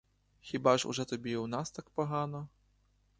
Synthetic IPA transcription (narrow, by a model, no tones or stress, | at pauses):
xʲibaʂṵʐɛt̪abʲewnast̪ak̚paɣanɐ